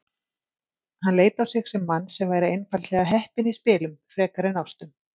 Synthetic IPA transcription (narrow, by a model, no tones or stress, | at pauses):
hanleːjt̪awsɪxsɛmːanːsɛmvaːjɾaejnfalt̪lɛɣaɦɛhpɪnispɪːlʏmfɾɛːkaɾɪnawst̪ʏm